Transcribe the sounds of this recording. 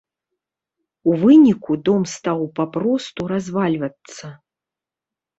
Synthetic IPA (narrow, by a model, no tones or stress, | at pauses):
uvɨnʲikud̪ɔmst̪awpapɾɔst̪uɾazvalʲvɐt̪sːɐ